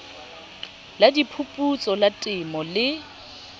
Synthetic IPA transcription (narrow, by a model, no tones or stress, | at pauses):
ladipʰupʼut͡sʼɔlatʼɪmɔlɪ